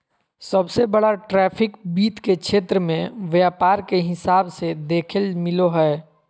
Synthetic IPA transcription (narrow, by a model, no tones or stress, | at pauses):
sɐbsebɐɽaʈɾɛːpʰɪkbiːt̪kekʃʰeːt̪ɾəmẽʋjaːpaːɾkeɦɪsaːbsed̪eːkʰəlmɪloɦɛː